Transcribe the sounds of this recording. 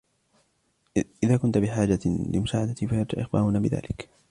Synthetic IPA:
ʔɪðaːkʊnt̪bɪħaːd͡ʒalɪ̰mʊsaːʕad̪at̪ifajaɾt̪ʊʔɪ̰xba̰ːɾʊnabɪða̰ːlɪk

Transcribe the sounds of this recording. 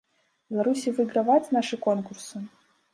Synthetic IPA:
bʲɛlˠaɾusʲivɨɡɾavat͡sʲnaʂɨkɔnkursɨ

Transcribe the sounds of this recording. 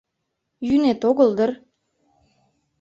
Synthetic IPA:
jynet̪oɣəld̪ər

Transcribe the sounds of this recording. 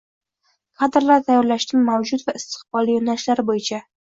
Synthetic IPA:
kʰad̪ɪɾlaɾt̪ʰajɒɾlaʃt̪ɪnmawd͡ʒʊt̪vaɪst̪ɨ̥qbɒlˠijonaɪʃlaɾɪbojɪt͡ʃʰa

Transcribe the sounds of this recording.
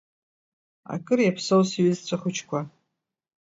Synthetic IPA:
a̰kʼɨrjapʰsowsaɥizt͡ɕʷʰaχʷʊt͡ʃʰkʷʰa

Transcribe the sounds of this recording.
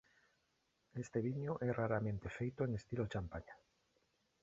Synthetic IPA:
est̪eβ̞iɲoʔɛraɾamẽnt̪efejt̪oeŋest̪ilot͡ʃampaɲa

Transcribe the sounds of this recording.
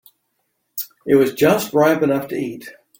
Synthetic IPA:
ɨt̚wʌzd͡ʒʌst̚ɹaɪpɨnʌftʰɨit̚

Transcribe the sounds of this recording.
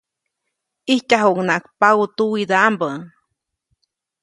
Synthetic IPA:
ihcaɦuŋnakpaɣut̪uid̪ambəŋ

